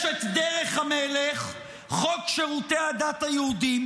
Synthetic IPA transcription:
et̪d̪eʁeχhameleχ | χokʃeʁutead̪at̪hajehudim

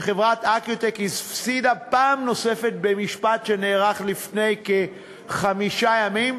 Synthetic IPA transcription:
eχevʁat̪akjot̪ekisfsidapaːmno̞se̞fe̞t̪̚be̞miʃpatʃe̞neːʁaχlifne̞jke | χamiʃajamim

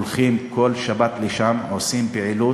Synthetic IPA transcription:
lχimko̞lʃabat̪leʃamʕosimpeʕilu

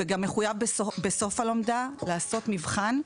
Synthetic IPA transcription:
eɡamːeχujavbebe̞so̞falo̞mdalaːso̞tmivχan

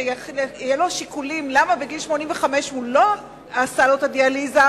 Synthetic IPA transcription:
ijelo̞ʃikulimlamabeɡilʃmo̞nimveχame̞ʃhulo̞ | asalot̪adializa

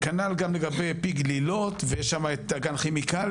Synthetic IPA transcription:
kanalɡamleɡabejpiɡlilot̪vejeʃːamaet̪aɡanχemikal

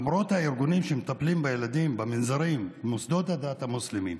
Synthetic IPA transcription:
mɾo̞t̪haiɾɡunimʃemet̪aplimbejelad̪imbeminzaɾimmusd̪o̞t̪had̪at̪hamuslimḭm

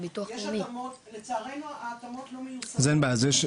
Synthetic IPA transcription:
bituaχjnimotlet͡saaʁenuaːtamot̪lomejuszanbazeʃ

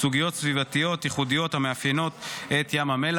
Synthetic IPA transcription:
suɡijo̞t̪svivat̪ijo̞t̪iχudijo̞thameafjeno̞t̪et̪jamhame̞l

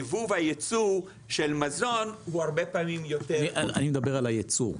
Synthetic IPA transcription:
vuvhajet͡suʁ | ʃelmazo̞nhuhaʁbepaːmimjo̞t̪eiaa̰nimed̪abeʁalajet͡sṵʁ

